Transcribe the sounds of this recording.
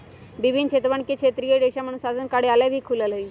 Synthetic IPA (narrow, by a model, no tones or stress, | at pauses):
bibʱinkɕʰet̪ʋəɳkikʰet̪ɾijəɖ̪eɕam̤ənɳusasənkaɽealabʱiːkʰulələi